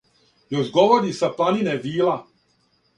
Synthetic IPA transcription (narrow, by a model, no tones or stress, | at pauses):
joʒɡoʋoɾisaplanineʋiːla